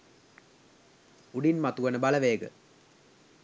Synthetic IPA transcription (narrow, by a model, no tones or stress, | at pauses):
uɖinmat̪uʋɐnəbɐlɐʋeːɡə̰